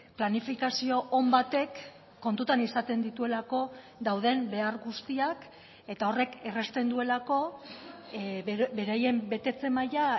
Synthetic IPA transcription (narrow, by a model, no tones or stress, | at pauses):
planifikasio̞ʔːmbat̪e̞kː | o̞nt̪ut̪anisat̪e̞nd̪it̪ue̞lako̞ | d̪awðe̞mbe̞aɾɣust̪iak | e̞t̪ao̞re̞ke̞re̞st̪e̞nd̪ue̞lako̞ | be̞ɾaje̞mbe̞t̪e̞t͡se̞maja